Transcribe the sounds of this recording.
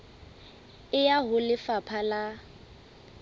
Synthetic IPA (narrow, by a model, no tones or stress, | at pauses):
ɪjaɦʊlɪfapʰala